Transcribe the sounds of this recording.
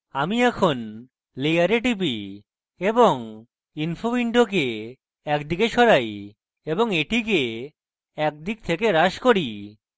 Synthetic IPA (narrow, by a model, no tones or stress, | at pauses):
amiɛkʰon | lejaɾeʈipi | eboŋ | inpʰobiɳɖok̬e | ɛkd̪ikeʃɔɾaj | eboŋeʈike | ɛk̚d̪ik̚t̪ʰekeɾaʃkoɾi